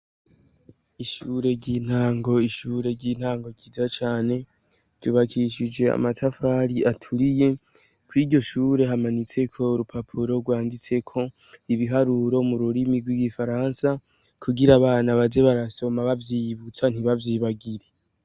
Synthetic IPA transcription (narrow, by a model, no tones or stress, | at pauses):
iʃuːɾe̞ɟiːn̥haːŋɡo̞iʃuːɾe̞ɟiːn̥haːŋɡo̞ɟid͡ʒat͡ʃaːne̞ | tuβakʰiʃid͡ʒe̞a̰matafaɾiʔatʰuɾije̞ | kuiːdɟo̞ʃuːɾe̞ɦamanit͡se̞kʰo̞uɾupʰapʰuɾo̞ɡwaːndit͡se̞kʰo̞ | iβiɦaɾuɾo̞muɾuɾimiɡwiɡifaɾaːnsa | kʰuɡiɾaβaːnaβaze̞βaɾaso̞maβavjiːβut͡san̥iβavjiːβaɡiɾe